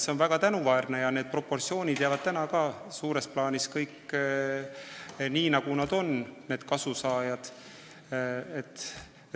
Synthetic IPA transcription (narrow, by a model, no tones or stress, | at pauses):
seonvæɡ̥ɑt̪ænuvɑernejɑned̪̚pro̞pːo̞rt̪sio̞ːnʲid̪̥jɑvɑd̪̥̚t̪ænɑkɑːsuːɾe̞splɑːnʲiskɤjkː | niːnɑɡ̥unɑd̪̥o̞nne̞ːd̪̥kɑsusɑːjɑd̪̥ | et̪ːˑ